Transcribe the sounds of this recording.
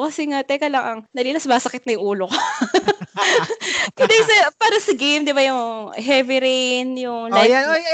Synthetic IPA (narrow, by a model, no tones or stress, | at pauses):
kɐsɛŋat̪ɐjkɐlɐŋʔɐŋnɐlilɐsmaːsɐkɪt̪̚nɐjʊŋʔuːlokɐ | kɐd̪ɐjsɐpaːɾɐsɐɡejmd̪ɪbajʊŋɦɛvɪɾɪnjʊŋlajjanoj